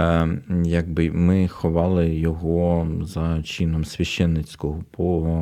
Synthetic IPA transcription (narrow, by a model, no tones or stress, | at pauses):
jɐɡ̚bɪmɪxɔʋɑlˠɪjɔɦɔzɐt͡ʃinɔmsʲʋʲɐʃɛnːɪt͡sʲkɔɦɔpɔɔɦɔ